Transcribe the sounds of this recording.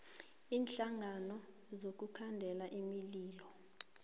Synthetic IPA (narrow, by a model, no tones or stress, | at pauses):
iːnɬaŋanɔ | zok̬ukʰandʱɛlaʔimiliːlɔ